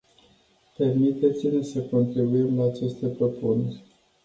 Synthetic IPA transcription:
pe̞rmit̪e̞t̪sile̞səko̞nt̪ɾibuimlaːt͡ʃe̞st̪e̞pɾo̞punerʲ

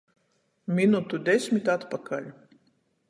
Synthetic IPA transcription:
mʲinut̪ud̪ʲɛsʲmʲit̪at̪pakalʲ

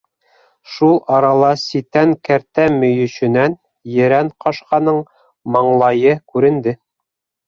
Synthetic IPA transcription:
ʃulˠɑɾɑlˠɑsit̪æŋkæɾt̪æmɵ̆jɵ̆ʃɘ̆næn | jɘ̆ɾæɴqɑʃqɑnɤɴ | mɑɴlˠɑjɤkʉɾɘ̆nd̪ɘ

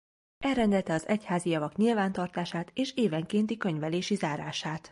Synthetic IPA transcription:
ɛlrɛnd̪ɛlt̪ɛɒzɛchaːzijɒvɒkɲilvaːnt̪ɒrt̪aːʃaːt̪eːʃeːvɛŋkeːnt̪ikø̞ɲvɛleːʃizaːɾaːʃaːt̪

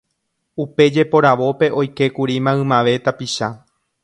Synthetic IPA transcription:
upe̞d͡ʒe̞po̞ɾaʋo̞pe̞ʔo̞jke̞kuɾimãɨ̃mãʋe̞t̪apiʃa

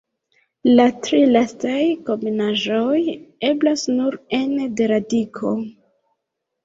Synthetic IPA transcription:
latɾilastajko̞menaʒoje̞blasnuɾende̞ɾadikʰo̞

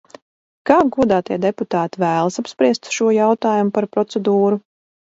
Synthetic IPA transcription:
kaːɡɔd̪aːt̪iɛd̪ɛput̪aːt̪ivæːlˠasapspɾiɛst̪ʃuɔjawt̪aːjumupaɾpɾɔt̪sɛd̪uːɾu

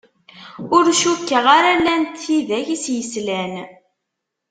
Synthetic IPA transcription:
ʊɾʃukːəʁaɾælːænt̪ːiðæçisjəslæn

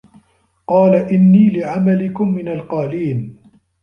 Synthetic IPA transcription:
qɑːlaʔɪnːiːlɪʕamalɪkʊmːɪnalqɑːliːn

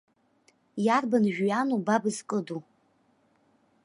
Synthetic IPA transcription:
jarbanɨʒᶣjanubabɨzkʼɨdu

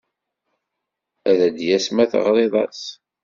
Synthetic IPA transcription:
æðæd̪jæsmæθə̰ʁɾˤeðˤɑ̰s

